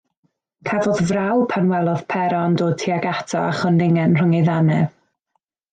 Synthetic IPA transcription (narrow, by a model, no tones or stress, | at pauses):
kʰɛvɔðvrawpʰanwɛlˠɔð̥pʰɛɾɔandoːd̚tʰiaɡatʰɔ̰aχɔndɪŋɛnr̥ʊŋejðanɛv